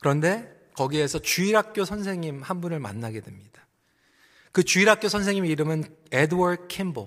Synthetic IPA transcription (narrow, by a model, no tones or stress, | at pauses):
kɯɾʌnde̞ | kʌɡiesʰʌt͡ɕuiɾɦak̚k͈josʰʌnsʰe̞ŋɲimhanbunɯɭma̰nːaɡe̞dwe̞mɲid̥ḁ | kɯt͡ɕuiɾɦak͈osʰʌnsʰeŋɲimeiɾɯmɯn | edwaɾd̚kʰimbo